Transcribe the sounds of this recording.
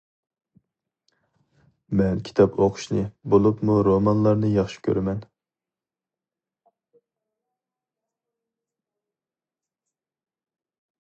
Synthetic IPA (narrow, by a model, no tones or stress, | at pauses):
mɛnkʲʰi̥t̪ʰɑpʰoqʰʊ̥ʃnɨbolˠupmuɾomɑnlˠɑɾnɨjɑχʃi̥kʲʰø̰ɾmɛn